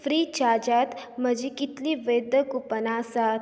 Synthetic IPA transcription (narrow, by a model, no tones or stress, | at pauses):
fɾiːt͡ʃaːd͡ʒat̪mɐd͡ʒikit̪liʋejd̪əkupɐnaːsat̪